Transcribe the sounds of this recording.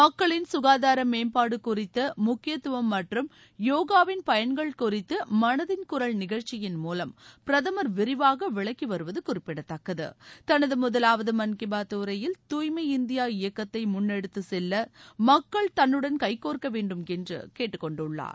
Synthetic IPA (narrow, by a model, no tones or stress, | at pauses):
mɐkːɐɭɪnsʊɣaːðaːɾɐmeːmpaːɽɯkʊrɪt̪ːɐmʊkːɪjɐt̪ːɯʋɐmːɐʈrɯm | joːɣaːʋɪnpɐjɐɳɡɐɭkʊrɪt̪ːɯmɐnɐðɪnkʊɾɐɭnɪɣɐɻt͡ʃɪjɪnmuːlɐmpɾɐðɐmɐɾʋɪɾɪʋaːɣɐʋɪɭɐkːiʋɐɾɯʋɐðɯkʊrɪpːɪɽɐt̪ːɐkːɐðɯ̰t̪ɐnɐðɯmʊðɐlaːʋɐðɯmɐnkɪbaːt̪ːuːɾɐjɪlt̪uːjmɐɪɪnd̪ɪjaːɪjɐkːɐt̪ːɐɪmʊnːɛɽɯt̪ːɯsɛlːɐmɐkːɐɭt̪ɐnːɯɽɐnkɐɪkːoːrkɐʋeːɳɖɯmɛndrɯ̰keːʈːɯkːɔɳɖɯɭːa̰ːɾ